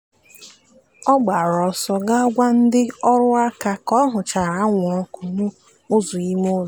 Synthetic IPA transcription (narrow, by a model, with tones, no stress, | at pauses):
ɔ˦ɡ͡ba˨ɾɔ˨sɔ˦ɡa˦ɔ˦ɡʷa˦n̩˦dɪ˦ɔ˦ɾʊ˦a˦ka˦kɔ˦ɦʊ˨t͡ʃa˨ɾa˨˦ŋʷʊ˨ɔ˦ku˨nʊ˦ | o˦zʊ˨i˦mo˦z